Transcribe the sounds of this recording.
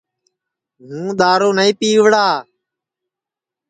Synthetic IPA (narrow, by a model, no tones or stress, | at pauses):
ɦũːɗ̪aːɾoːnəĩːpiːʋɽaː